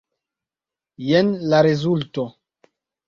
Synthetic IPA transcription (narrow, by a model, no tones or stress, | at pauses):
jenlaɾezulto